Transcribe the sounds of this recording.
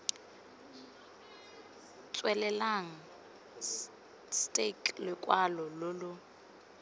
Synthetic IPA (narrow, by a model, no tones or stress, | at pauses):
t͡sʼwɛlɛlaŋ̩ | stʼekʼlɪkʼwalɔlʊlʊ